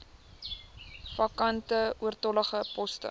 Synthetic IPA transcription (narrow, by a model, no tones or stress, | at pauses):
fɐkɐntəuərtɔləχəpɔstə̰